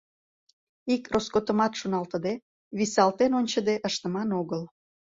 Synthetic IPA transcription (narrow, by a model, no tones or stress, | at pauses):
ikroskot̪əmɑt̪ʃunɑlt̪əd̪e | βisɑlt̪enonʲt͡ɕəd̪eʔəʃt̪əmɑnoɣəl